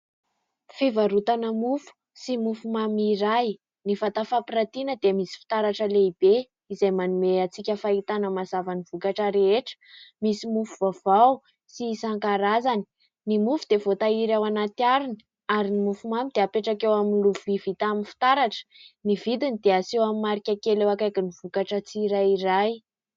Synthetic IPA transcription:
fevaɾut̪anəmufu̥ | simufumamiɾaj | nifat̪afapiɾat̪inəd̪eəmisi̥fi̥t̪aɾaʈ͡ʂəleib̥e | izajmanumeat͡sikʲəfait̪anəmazavaniv̥ukaʈ͡ʂəɾeeʈ͡ʂə̥misimufuvavaw | sisaŋkaɾazani̥ | nimufud̪̥evot̪aiɾawanat̪iaɾuni | aɾinimufumamid̪eapeʈ͡ʂakewaminluvuivit̪aminfi̥t̪aɾaʈ͡ʂnivid̪inid̪easewamimaɾikʲakelewakajkiniv̥ukaʈ͡ʂət͡siɾajiɾaj

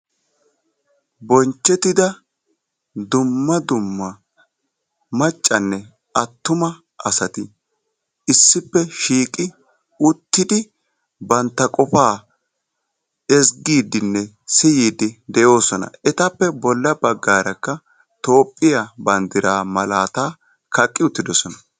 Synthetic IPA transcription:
bɔnt͡ʃːɛt̪ɪd̪ɐ | d̪ʊmːɐd̪ʊmːɐ | mɐt͡ʃʼːɐnːɛ | ʔɐt̪ːʊmɐ | ɐsɐt̪ɪ | ɪsːɪpːɛʃiːkʼɪ | ʊt̪ːɪd̪ɪ | bɐnt̪ːɐkʼɔfaː | ɛsɡiːd̪ɪnːɛ | sɪjiːd̪ɪd̪ɛjo̞ːsɔnɐ̰ɛt̪ɐpːɛbɔlːɐbɐɡːaːɾɐkːɐ | t̪o̞ːpʼːɪjabɐnd̪ɪɾaːmɐlaːt̪aː | kɐkʼːɪʊt̪ːɪd̪ɔsɔnɐ

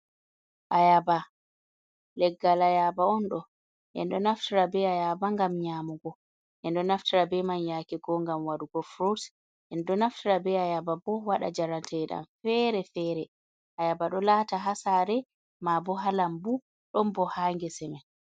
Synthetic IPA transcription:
ʔajaba | lɛɡːalajabaɔnɗɔ | ʔɛ̰nɗɔnaftiɾabɛajabaŋɡamɲaːmuɡɔ | ʔɛnɗɔnaftiɾabɛmanjakɛɡɔŋɡamwaɗuɡɔfɾot | ʔɛnɗɔnaftiɾabɛajababɔwaɗa̰d͡ʒaɾantʰɛɗa̰mfɛɾɛfɛɾɛ | ʔajabaɗɔlataɦasaɾɛ | mabɔɦalambu | ɗɔmbɔhaːŋɡɛsɛmɛ

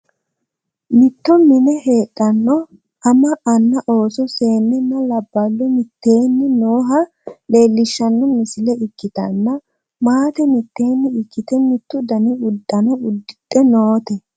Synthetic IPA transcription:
mɪt̪ːɔmɪnɛhe̞ːtʼːɐnːɔ | ɐmɐʔɐnːɐʔo̞ːsɔse̞ːnːɛnːɐlɐbːɐlːɔmɪt̪ːe̞ːnːɪnoːɦɐ | le̞ːlːɪʃːɐnːɔmɪsɪlɛɪkːɪt̪ɐnːɐ | maːt̪ɛmɪt̪ːe̞ːnːɪɪkːɪt̪ɛmɪt̪ːʊd̪ɐnɪʊd̪ːɐnɔʊd̪ːɪt̪ʼːɛnoːt̪ɛ

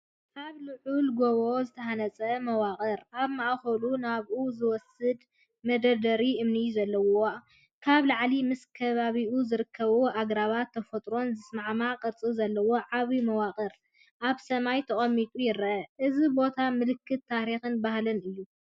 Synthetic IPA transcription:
kʰaβlɨʕulɡoβozɨt̪ʰɐhanɐt͡sʼɐmɐwakʼɐɾʔaβmaʔxɐlunaβʔuzɨwɔsɨd̪ | mɐd̪ɐd̪ɐɾiʔɨmnizɐlːɐwo | kʰaβlaʕlimɨskʰɐβaβiʔuzɨɾɨkʰːɐβoʔaɡɾaβat̪ʰːɐfɐt̪ʼɾo̞nzɨsmaʕmaqʼɐɾt͡sʼizɐlːɐwo̞ʕaβimɐwakʼɐɾ | ʔaβsɐmajt̪ʰɐχʼɐmːit̪ʼujɪɾɐʔɐʔɨzibo̞t̪ʰamɨlɨkːɨt̪ʰːaɾixɨnbahlɨnɨjːu

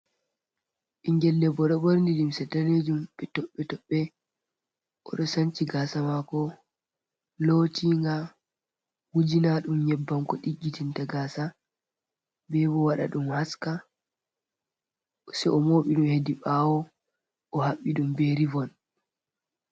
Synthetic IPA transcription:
ʔiŋɡɛlːɛbɔɗɔboɾndilimsɛtaned͡ʒumɓɛtɔɓːɛtɔɓːɛ | ʔɔ̰ɗɔsant͡ʃiɡasamakɔ | lotiŋɡa | wud͡ʒinaɗumɲɛbːamkɔɗiɡːitintaɡaːsa | bɛbɔwaɗa̰ɗumhaska | sɛʔɔmoːɓiɗumhediɓawɔ | ʔɔhaɓːiɗumbeɾivɔn

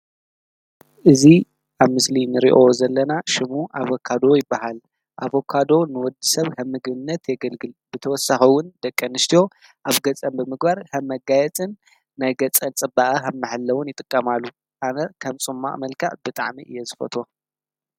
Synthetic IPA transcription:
ʔɨzi | ʔaβmɨslinɨɾḭʔozɐlːɐnaʃɪmuʔaβokʰːad̪o̞jɪbːaɦal | ʔaβokʰad̪o̞nɨwɔd̪ɨsɐβhɐmːɨɡbɨnːɐt̪jɛɡɐlɡɨlbɨt̪ʰɐwɔsaxiwʊnd̪̥ɐkʼːɐnɨʃt̪ʰijo̞ | ʔaβɡɐt͡sʼɐmbɨmɨɡbaɾhʰɐmːɐɡajɛt͡sʼɨnː | ajɡɐt͡sʼɐnt͡sʼɨbaʔɐɦɐmːɨħɨlːɐwʊnjɪt̪ʼɨkʼːɐmalːu | ʔanɐkʰɐmt͡sʼɨmːa̰ʔmɐlkʰaʕbɨt̪ʼaʕmiʔɨjːɛzɨfɐ̰t̪ʰo̞

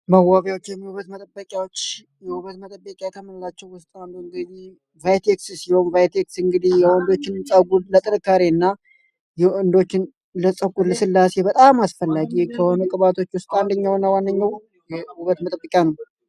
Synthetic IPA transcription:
məwːaβjawot͡ʃːjɛmːhuβət̪mət̪ʼəbːəkʼjawot͡ʃː | jɛhuβət̪mət̪ʼəbːəkʼjajɛt̪ʰəmənlat͡ʃːɛwwʊst̪ʼand̪oɨŋɡɨd̪i | vajt̪ʰekssiho̞nvajt̪ʰeksɨŋɡɨd̪ihjɛɨnd̪o̞t͡ʃːɪnnsʼaɡud̪lət̪ʼɨnɨkːaɾeɨnːa | jɛɨnd̪o̞t͡ʃːɪn | ləsʼəkʼuləsɨlːasebət̪ʼamasfəlːaɡikʰəho̞nəkʼɨβat̪ʰo̞t͡ʃːwʊst̪ʼand̪əɲːawnːawandəɲːaw | jɛhuβət̪mət̪ʼəbːəkʼjanəw

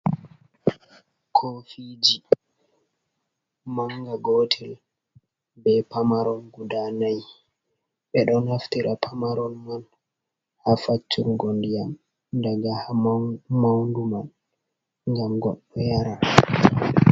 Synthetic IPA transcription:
kʰofid͡ʒi | maŋɡaɡoːtʰɛl | bɛpamaɾɔnɡudanaj | ɓɛɗɔnhaftiɾʔapʰamaɾɔnman | hafat͡ʃːuɾɡondijam | daɡahamawnduman | ŋɡamɡɔɗːɔjaɾa

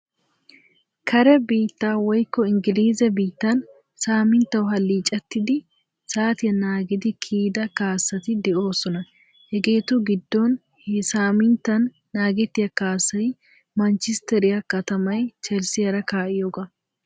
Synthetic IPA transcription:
kɐɾɛbiːt̪ːaːwɔjkːɔɪŋɡɪliːzɛbiːt̪ːɐn | saːmɪnt̪ːɐwʊɦɐlːiːt͡ʃʼɐt̪ːɪd̪ɪ | saːt̪ɪjɐnaːɡɪd̪ɪkʰiːd̪ɐkaːsːɐt̪ɪd̪ɛʔo̞ːsɔnɐ | hɛɡe̞ːt̪ʊɡɪd̪ːɔn | hsaːmɪnt̪ːɐnː | aːɡɛt̪ːɪjɐkaːsːɐj | mɐnt͡ʃɪst̪ɛɾɪjɐkɐt̪ɐmɐjt͡ʃɛlsɪjɐɾɐkaːʔɪjoːɡɐ

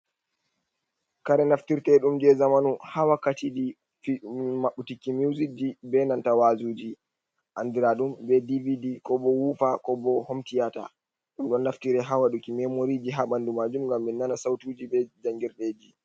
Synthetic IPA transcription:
kaɾɛnaftiɾtɛɗumd͡ʒɛzamanuhawakatidi | fimaɓutikːimiwzid͡ʒibɛnantawazuːd͡ʒi | ʔandiɾaɗumbɛdividikɔbɔwufakɔbɔhomtijata̰ | ɗumɗɔnːaftiɾɛɦawaɗukimɛmoɾid͡ʒiɦaɓandumad͡ʒumŋɡamːinːanasawtuːd͡ʒibɛd͡ʒaŋɡiɾɗed͡ʒi

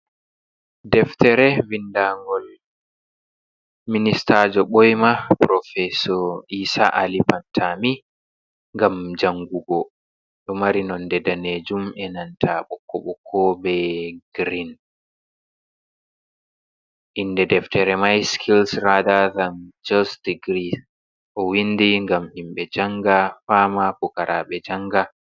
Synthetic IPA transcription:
dɛftɛɾɛvindaŋɡɔl | ministad͡ʒɔɓɔjmapɾɔfɛsɔɾiːsa̰ʔalipantʰami | ŋɡamd͡ʒaŋɡuɡɔ | ɗɔmaɾinɔndɛdaned͡ʒumʔɛnantʰaɓɔkːɔ̰ɓɔkʰːɔbɛɡ̥ɾin | ʔinːdɛdɛftɛɾɛmajskʰilsɾadaðand͡ʒɔsdiɡɾi | ʔɔwindiŋɡamhimɓɛd͡ʒaŋɡafamapɔkaɾʔaɓɛd͡ʒaŋɡa

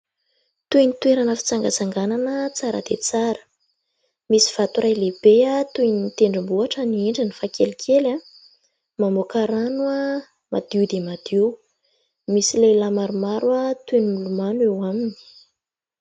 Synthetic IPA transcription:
t̪ujnit̪weɾanəfi̥t͡saŋɡat͡saŋɡananət͡saɾə̰d̪̥et͡saɾə̥ | misi̥v̥at̪urajleb̥eat̪ujnit̪eɳɖ͡ʐambuaʈ͡ʂənieɳɖ͡ʐinifakelikʰela | mamokaɾanua | ma̰d̪̥iud̪emad̪̥iw | misilejlamaɾumaɾuat̪ujnimulumanewamini̥

